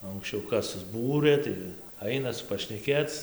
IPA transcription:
oː ɐŋksʲˈt͡ʃʲɛʊ ˈkɐs sʊzˈbuːrɘ ˈtɐɪ ˈɐɪnɐs pɐʃʲnʲɛˈkʲeːt͡s

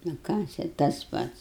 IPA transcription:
nʊ ˈkɑː t͡ʃʲɛ tɐs ˈpɐts

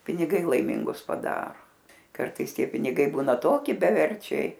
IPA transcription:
pʲɪnʲɪˈɡɐɪ lˠɐɪˈmʲɪŋɡʊs pɐˈdɑːroː ˈkɐrtɐɪs ˈtʲiɛ pʲɪnʲɪˈɡɐɪ ˈbuːnɐ ˈtoːkʲɪ bʲɛˈʋʲɛrʲt͡ʃʲɛɪ

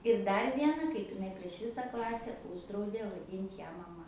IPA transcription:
ɪr ˈdɐr ˈʋʲiɛnɐ kɐɪp ɪˈnɐɪ pʲrʲiɛʃ ˈʋʲɪsɐ ˈklˠɑːsʲɛ ˈuːʒdrɐʊdʲeː ʋɐˈdʲiːnʲtʲ ˈjæː mɐˈmɐ

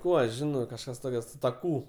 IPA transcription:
ˈkuː ɐʃ ˈʒʲɪnoː kɐʃˈkɐs ˈtoːkʲɛ sʊ tɐ ˈkuː

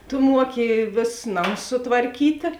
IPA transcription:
tʊ ˈmuɔkʲɪ ˈʋʲeːsʊs ˈnɑːmʊs sʊtʋɐrʲˈkʲiːtʲeː

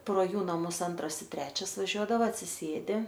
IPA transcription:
proː ˈjuː nɐˈmʊs ˈɐntrɐs ɪ ˈtʲrʲæːt͡ʃʲɛs ʋɐˈʒʲuɔdɐʋɐ ɐtʲsʲɪˈsʲeːdʲɪ

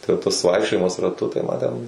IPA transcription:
tɐɪ tɐs ˈʋɐɪkʃʲt͡ʃʲoːjɪmɐs rɐˈtʊ tɐɪ mɐ tʲɛn

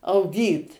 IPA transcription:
ɐʊˈɡʲiːt

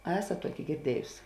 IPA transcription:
ɐ ˈæːsɐt ˈtuɔkʲɪ ɡʲɪrʲˈdʲiɛjʊs

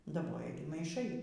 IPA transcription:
dɐˈboːjɛ ˈɡʲɪ mɐɪˈʃɐɪ

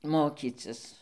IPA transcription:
ˈmoːkʲiːt͡sʲɪs

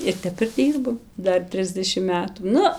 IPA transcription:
ɪr ˈtʲɛp ɪr ˈdʲiːrbɐm ˈdɐr ˈtʲrʲɪzʲdʲɛʃʲɪm ˈmʲæːtuː ˈnʊ

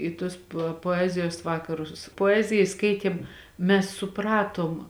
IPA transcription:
ɪ ˈtuɔs pɐ poːˈæːzʲɪjoːs ˈʋɑːkɐrʊs poːˈæːzʲɪjɪ ˈskɐɪtʲeːm ˈmʲɛs sʊˈprɑːtoːm

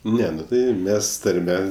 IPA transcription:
ˈnʲɛ ˈnʊ ˈtɐɪ ˈmʲɛs tɐrʲˈmʲɛ

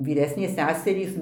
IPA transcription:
ʋʲiːˈrʲæːsʲnʲeːs ˈsʲæːsʲɛrʲiːs

